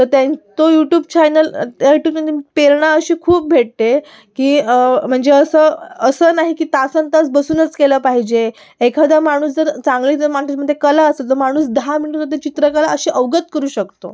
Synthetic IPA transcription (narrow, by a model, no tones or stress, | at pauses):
t̪əɾt̪ẽnt͡s̪ojuʈjuːbt͡ɕajnəljuʈjuːb̚əd̪epeɾɳaəɕiːkʰuːp̚bʱeʈ̚t̪e | kiːm̤əɳd͡zeəsəːəsəːnaɦikiːt̪asənt̪at͡sbəsuːnət͡skeləːpaɦid͡ʑe | ekʰad̪ʱamaɽ̃uːsd͡zəɾt͡saŋɡliːt̪əɾmaet͡ɕməd̪ʱjekəlaəselt̪əɾmaɽ̃uːsd̪amiɽũt̪ot̪̬et͡ɕit̪ɾəkalaəɕiːʔəʋɡət̪kəɾuːɕəkt̪o̰